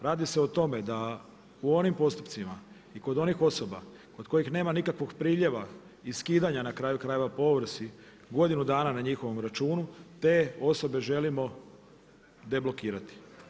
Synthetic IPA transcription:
ɾaːd̪ise̞ot̪o̞me̞d̪a | uo̞nimpo̞st̪u̥pt̪sima | iko̞d̪o̞nixo̞so̞ba | ko̞d̪ko̞jixneːmanikakʋoɡpɾiːʎe̞ʋa | iskiːd̪aɲanakɾaːjukɾaːje̞ʋapo̞ʋr̩si | ɡo̞d̪inud̪aːnanaɲixo̞ʋo̞mɾat͡ʃuːnut̪e̞ːo̞so̞be̞ʒe̞limo̞ | d̪e̞blo̞kiːɾat̪i̥

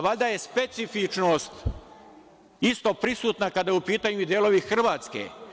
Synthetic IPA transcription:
ʋaʎd̪aje̞spe̞t̪sifit͡ʃnoːst̪ | ist̪o̞pɾisuːt̪nakad̪ajupiːt̪aːɲuid̪jeːlo̞ʋixr̩ʋaːt̪skḛ

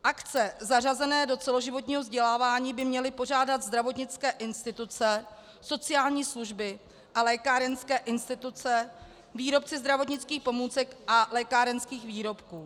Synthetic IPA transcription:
ʔakt͡sɛzarazɛnɛːdo̞t͡sɛlo̞ʒɪvo̞t̪̬ɲiːɦo̞vzɟɛlaːvaːɲiːbɪmɲɛlɪpo̞r̝aːdat̪zd̪ɾavo̞t̪ɲɪt͡skɛːʔɪnst̪ɪt̪ut͡sɛ | so̞t͡sɪjaːlɲiːsluʒbɪ | ʔalɛːkaɾɛnskɛːʔɪnst̪ɪt̪ut͡sɛ | viːɾo̞pt͡sɪzd̪ɾavo̞t̪ɲɪt͡skiːxpo̞muːt͡sɛkʔalɛːkaːɾɛnskiːxviːɾo̞pkuː

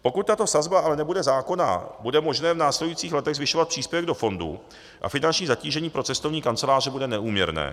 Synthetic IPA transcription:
po̞kut̪̚t̪ːat̪o̞sazbaʔalɛnɛbudɛzaːko̞na̰budɛmo̞ʒnɛːvnaːslɛdujiːt͡siːxlɛt̪ɛɣzvɪʃo̞vat̪̚pr̥iːspjɛvɛɡdo̞fo̞ndṵ | ʔa̰fɪnant͡ʃɲiːzaciːʒɛɲiːpɾot͡sɛst̪ovɲiːkant͡sɛlaːrɛbudɛnɛʔuːmɲɛ̰ɾnɛ̰ː

